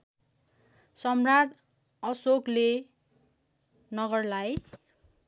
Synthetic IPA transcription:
sʌmraʈ | ʌsokle | nʌɡʌrlaj

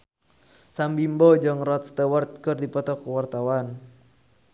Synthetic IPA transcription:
sambimbɔd͡ʒɔŋrɔt̪̚st̪əwərt̪̚kɨrdipɔt̪ɔkəwart̪awan

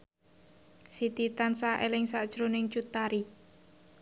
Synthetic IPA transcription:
sit̪it̪ansaʔelɪŋsaʔd̥ʒ̥ɾonɪŋt͡ʃut̪ːaɾi

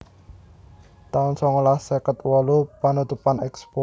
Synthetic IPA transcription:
t̪aʊnsɔŋlahsɛkət̪wɔlupanut̪upanɛkspo

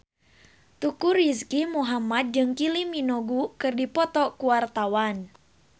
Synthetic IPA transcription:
t̪ukuriskimuɦamat̪̚d͡ʒɨŋkiliminoɡukɨrdipɔt̪ɔkuwart̪awan

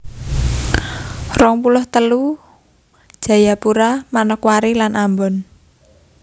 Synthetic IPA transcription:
rɔŋpulʊht̪əlu | ʒ̥ä̤japuɾamanɔkwaɾilanʔambɔn

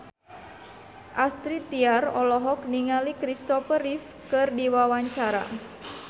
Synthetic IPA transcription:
ʔast̪ɾit̪iarɔlɔɦɔk̚niŋalikɾist̪ɔfəɾif | kɨrdiwawaɲt͡ʃaɾa̰

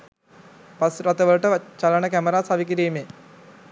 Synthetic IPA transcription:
pasɾat̪əʋəluʈət͡ʃalənəkæməɾaːsaʋik̬iɾiːmeː

